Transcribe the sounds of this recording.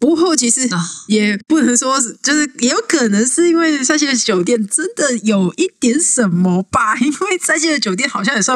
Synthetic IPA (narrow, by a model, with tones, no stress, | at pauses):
pu˧˥xo˥˩ʊt͡ɕʰi˧˥ʂɻ̩˧˥jɛ˨˩pu˥˩nə˧˥ŋʂwɔ˥˨t͡ɕjo˥˧ʊʂɻ̩˥˩jɛ˧˥jo˧˥ʊkʰɤ˨˩nə˧˥ŋʂɻ̩˥˩i˥nwe˥˩ɪsa˥˧ɪɕjɛ˥˩d̪ə˩t͡ɕjo˨˩ʊt̪jɛ˥˩nʈ͡ʂə˦nd̪ə˨jo˨˩ʊi˥˩t̪jɛ˧˥nʂə˨˩nmɔ˧˦ba˧i˥nwe˥˩ɪsa˥˧ɪɕ̬jɛ˥˩d̪ə˨˩t͡ɕjo˨˩ʊt̪jɛ˥˩nxɑ˨˩ʊɕjɑ˥˩ŋjɛ˨˩sw